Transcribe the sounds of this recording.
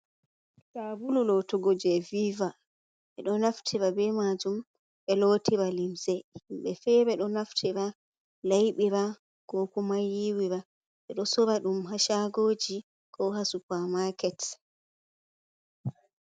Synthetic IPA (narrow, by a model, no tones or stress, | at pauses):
tabululɔtɔɡod͡ʒɛviːva | ɓɛɗɔnaftʰiɾabɛmad͡ʒum | ɓɛloːtʰiɾalimsɛmɓɛfɛɓɛɗɔnaftʰiɾa | lajɓiɾa | ɡ̥ɔkɔmajːiwiɾa | ɓɛɗɔsɔbaɗumɦaʃaɡoːd͡ʒi | kɔɦasupamakɛt